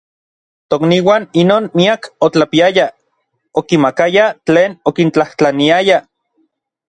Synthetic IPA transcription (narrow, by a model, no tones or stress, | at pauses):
t̪okniwaːninoːnmiakot͡ɬapiaja | okimakajat͡ɬeːnokint͡ɬaht͡ɬaniaja